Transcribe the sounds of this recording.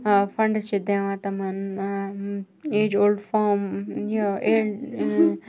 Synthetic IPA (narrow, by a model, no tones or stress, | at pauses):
fɐ̃ɳɖt͡ʃʰed̪ẽʋãt̪ɐmɐn | eːd͡ʒoːlɖfaːmoe